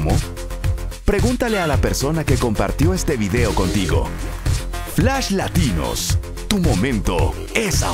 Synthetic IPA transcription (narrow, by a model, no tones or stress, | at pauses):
mo̰ | pɾe̞ɣunt̪ale̞alape̞ɾso̞nake̞ko̞mpa̰ɾt̪jo̞est̪e̞βiðe̞o̞ko̞nt̪iɣo̞̰ | flaʃlat̪ino̰s | t̪umo̞mẽnt̪o̞ | esa